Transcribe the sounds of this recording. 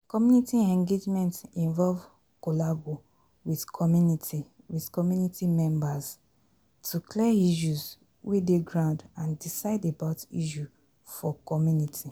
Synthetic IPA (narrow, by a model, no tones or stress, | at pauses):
kɔmjunitiɛ̃ŋɡed͡ʒmɛ̃ntĩɱvɔlv | kolabo | wiðkʰɔmjuniti | wiðkɔmjunitimɛ̃mbaz | tʰuklɛiʃ̬uz | wʔedeɡɹãʊ̃ndãndisaɪdebaʊtḭʃu | fɔkɔmjunitʰi